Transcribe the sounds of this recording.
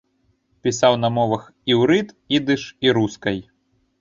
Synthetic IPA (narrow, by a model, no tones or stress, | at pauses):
pʲisawnɐmɔvɐx | iwɾɨt̪ | id̪ɨʂiɾuskɐj